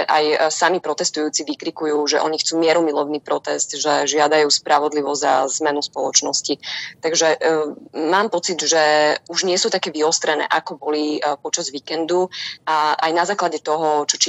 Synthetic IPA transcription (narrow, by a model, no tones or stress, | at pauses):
ʔajsamipɾɔt̪ɛst̪ujuːt͡siʋikɾikujuːʒɛʔɔɲixt͡suːmɪɛɾɔmilˠɔʊniːpɾɔt̪ɛst̪ʒɛʒɪad̪ajuːspɾaʋɔd̪liʋɔzza̰zmɛnuspɔlˠɔt͡ʃnɔscit̪aɡʒɛ | maːmpɔt͡sid̪ʒɛuʒɲɪɛsuːt̪akɛːʋiɔst̪ɾɛnɛ̰ːʔakɔbɔlipɔt͡ʃazʋikɛnd̪uaʔa̰jnazaːklaɟɛt̪ɔɦɔt͡ʃɔt͡ʃi